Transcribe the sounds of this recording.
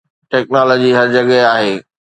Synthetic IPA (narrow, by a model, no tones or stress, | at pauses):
ʈɛːknaːlɔːd͡ʑiɦɐɾd͡ʑɐɠɛaːɦeː